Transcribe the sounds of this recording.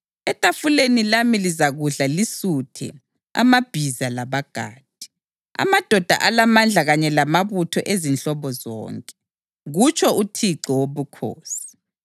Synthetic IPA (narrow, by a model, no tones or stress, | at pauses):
ɛtʼafulenilamilizaɣuɮalisutʰɛ̰ | a̰mab̥ʱizalaβaɡ̥ʱa̰ːd̥ʱi̥ | a̰mad̥ʱɔd̥ʱa̰ʔalamand͡ɮʱaɣaɲɛlamaβutʰɔʔezint͡ɬɔβɔzɔ̰ːŋkʼɛ̥ | ɣut͡ʃʰʼɔʔutʰiǀɔwoβukʰo̰ːsi̥